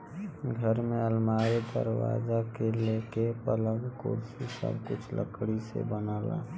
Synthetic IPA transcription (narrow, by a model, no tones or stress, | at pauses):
ɡʱəɾmẽəlmaːɾed̪ə̰ɾwa̰ːzakeleːkepələ̃ɡkoːɾsisə̰bkʊt͡ʃʰlə̰kɽisḛbənaːla̰ː